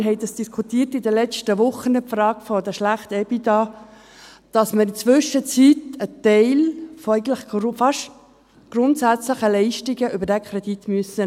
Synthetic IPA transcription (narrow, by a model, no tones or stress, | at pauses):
ɦɛɪd̥ɑsd̥iskʰutiːrtɪdəlɛt͡ʃtəʋʊχənəpfrɑːɡfɔdəʃlæχtɛbidɑ | d̥ɑsməɾɪnt͡sʋʏʃət͡sitətɛɪlfɔɛɪɡən̩tləχfɑʃ | ɡ̥ɾʊntsæt͡sləχəlɛɪʃtiɡəʔʏbəɾdɛkʰɾɛd̥itmyəsə